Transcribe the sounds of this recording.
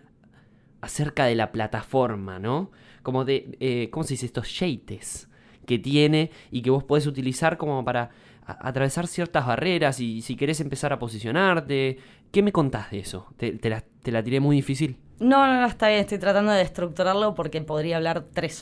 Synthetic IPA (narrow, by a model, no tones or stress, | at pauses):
aseɾkað̞e̞laplat̪afo̞ɾma̰no | ko̞mo̞ðeekomose̞ðisest̪o̞sʃejt̪e̞s | ke̞t̪je̞ne̞ikeβo̞spo̞ð̞es̬ut̪̬ilisaɾko̞mopaɾa | aʔa̰t̪ɾaβe̞saɾsje̞ɾt̪azβare̞ɾasisike̞ɾe̞s̬e̞mpe̞saɾapo̞s̬isjo̞naɾt̪e̞ | ke̞me̞ko̞nt̪ahðeeso̞̰t̪et̪elat̪e̞lat̪iɾe̞mujðifis̬il | nonooet̪aβjenest̪ojt̪ɾat̪and̪oðehst̪ɾuk̚t̪uɾaɾlo̞po̞ɾke̞po̞ðɾiaːβlaɾt̪ɾes